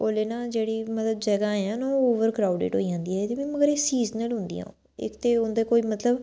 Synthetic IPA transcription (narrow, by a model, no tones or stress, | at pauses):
oːleːnãːd͡ʒeːɽiːmət̪ləbd͡ʒəɡaːẽãːnaooːʋəɾkɾaːʊɖḛːʈɦo̰ːiːãːnd̪iːɛːt̪eʋɛ̃ːməɡəɾesiːznəlɦʊ̃nd̪ḭːã̰ː | ɪ̰kt̪eːʊnd̪eːkoːiːmət̪ləb